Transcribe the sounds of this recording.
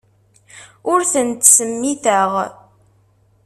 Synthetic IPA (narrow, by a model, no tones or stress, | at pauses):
ʊɾθənt̪səmːiθəʁ